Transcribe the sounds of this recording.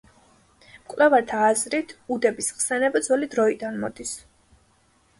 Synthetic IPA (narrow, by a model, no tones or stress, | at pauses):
mkʼvlɛvaɾt̪ʰaːzɾit̪ʰud̪ɛbisχsɛnɛbad̪zɔlid̪ɾɔid̪anmɔ̰d̪is